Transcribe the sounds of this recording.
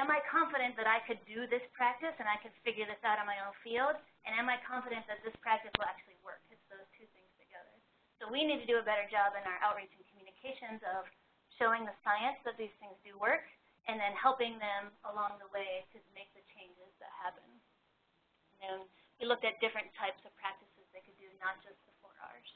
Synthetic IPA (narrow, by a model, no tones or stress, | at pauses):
ɨ̃maɪkʰɑ̃ɱfɨɾɨ̃nðɨɾaɪkʰɨdɨðɪspʰɹ̥æk̚tɨsɨ̃naɪkɨd̥fɪɡjə˞ðɪsaʊɾn̩maɪõʊ̃nfilˠd | ʔɨ̃ñãmaɪkʰɑ̃ɱfɨɾɨ̃nðɨt̪̚ðɪspʰɹ̥æk̚tɨswəl̩ˠæk̚t͡ʃʉl̩ˠiwɜ̰˞k̚ɨtsðoʊz̥tʰʉθɪ̃ŋz̥tʰɨɡɛðə˞ | soʊwinid̚tʰɨdɨɨbɛɾə˞d͡ʒɑbɨ̃naʊə˞ʔaʊt̚ɹit͡ʃɪ̃ŋkʰmjʉnɨkʰeɪʃɨ̃nzʌv̥ | ʃoʊɪ̃ŋðɨsaɪɨ̃nsðɨt̪̚ðiz̥θɪ̃ŋzdɨwɜ˞k | ʔɨ̃nðɨ̃nhɛlˠpɪ̃ŋðɨ̃məlɔ̃ŋðəweɪɾɨmeɪk̚ðɨt͡ʃʰẽɪ̃nd͡ʒɪzðɨ̰t̚hæpɨ̃n | n̩ðɨ̃n | wilʊk̚tɨt̚d̥ɪfɹɨ̃ntʰaɪpsʌv̥pʰɹ̥æk̚tɨsɨzðeɪkɨdɨnət̚d̥ʒ̥ʌs̚b̥əfɔɹɑ̰ɹ